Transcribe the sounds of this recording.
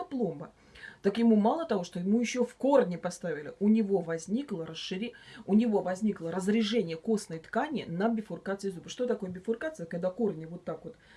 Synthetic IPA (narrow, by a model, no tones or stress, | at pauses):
plˠo̞mbə | t̪akjɪmumalˠət̪ɐvo̞ʂt̪ojɪmujɪɕːofko̞rnʲɪpɐst̪avʲɪlʲɪ̰ʔʊnʲɪvo̞vɐzʲnʲiklˠəɾəsʂɨɾʲʊnʲɪvovɐzʲnʲiklˠəɾəzɾʲɪʐɛnʲɪjəko̞snəjət̪kanʲɪnəbʲɪfʊrkat̪sɨɪzubɨʂt̪o̞t̪ɐko̞jəbʲɪfʊrkat̪sɨjəkːɐɡ̚d̪ako̞rnʲɪvo̞t̪ːakvo̞t̪